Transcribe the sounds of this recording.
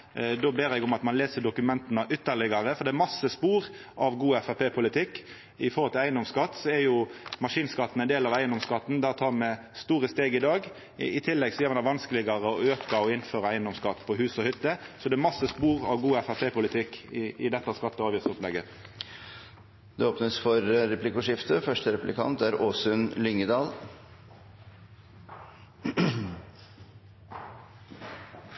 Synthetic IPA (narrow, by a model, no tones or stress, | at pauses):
d̪oːbeːɾjɛɡɔmɑt̪mɑnleːsəɖ̪ʊkʉmɛnt̪nəʔʏt̪ːəlɪɡɑɾəfɔɾd̪ɛɛɾmɑsːəspuːɾ | ɑʋɡuːɛfæpeːpʰʊlɪt̪ʰɪkː | ɪfɔɾhɔlt̪ʰɪlæɪənd̪ɔmskɑt̪ːsɔɛɾjʊmɑʂiːnskɑt̪ːn̩ɛnd̪eːlɑʋæɪənd̪ɔmskɑt̪ːn̩d̪æʁt̪ʰɑːɾmɛ | st̪uːɾəst̪eːɡɪd̪ɑːɡ | ɪt̪ʰɪlːɛɡsɔjɛɾmɑnɑʋɑnskəlɪɡɑɾəɔøːkɑɔɪnføːɾɑæɪənd̪ɔmskɑt̪ːpʰɔɦʉːsɔhʏt̪ːəsɔd̪ɛːmɑsːəspuːʁɑʋɡuːæfæpʰeːpʊlɪt̪ʰɪkːɪʔɪd̪ɛt̪ːɑskɑt̪ːəɑːʋjiːsɔplɛɡə | d̪ɛoːpnəsfɔɾɾɛpʰlɪkʊʂɪft̪əfœʂʈəɾɛpʉlɪkʰɑ̰nt̪æɾoːsʉnlʏŋːəd̪ɑːl